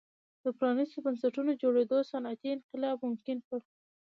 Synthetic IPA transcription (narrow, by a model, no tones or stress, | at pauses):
d̪əpɾɑnist̪obansaʈunod͡ʒoɽed̪osanat̪iɪnqɪlɑbmʊmkɪnpəɽ